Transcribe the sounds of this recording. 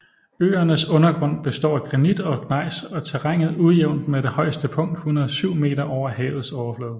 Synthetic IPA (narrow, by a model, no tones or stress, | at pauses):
ø̰ːɐnəsɔ̽nɐɡ̥ʁɔ̽n̰b̥e̝sd̥ɒ̰ːɡ̥ʁɑnid̥ɒ̽ɡ̥ʰnɑ̈ɪ̰sɒ̽t͡sʰeʁaŋ̰ð̩ˠuðˠjeʊ̰nd̥med̥e̝hɒ̽ɪ̰sd̥əpʰɔ̽ŋ̰d̥hunɐð̩ˠsyʊ̰me̝̰ːd̥ɐʔɒʊ̰ɐhɛ̰ːʊð̞̩ˠsɒʊɐflɔːð̩ˠ